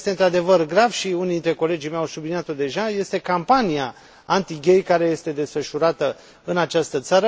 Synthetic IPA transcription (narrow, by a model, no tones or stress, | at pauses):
st̪eɨnt̪ɾad̪e̞vərɡɾavʃiunid̪int̪ɾe̞ko̞le̞d͡ʒijmejawsubliniat̪o̞d̪e̞ʒaje̞st̪e̞kampanija | ant̪iɡʲe̞jkaɾe̞je̞st̪e̞d̪e̞sfəʃuɾat̪ə | ɨnat͡ʃast̪ət̪saɾə